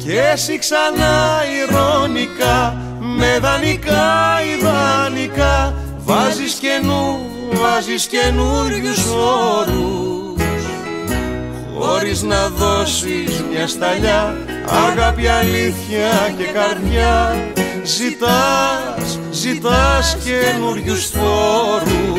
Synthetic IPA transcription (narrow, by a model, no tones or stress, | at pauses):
cesiksɐnɐiɾo̞nikɐ | me̞ðɐnikɐiðɐnikɐ | vɐzisce̞nu | vɐzisce̞nuʎusoɾu | s | o̰ɾiznɐðoʃizɲɐst̪aʎa | a̰ɾɣapjaliθjɐkekaɾɲa | ʒit̪a | s | ʒit̪askenuɾʎusfoɾu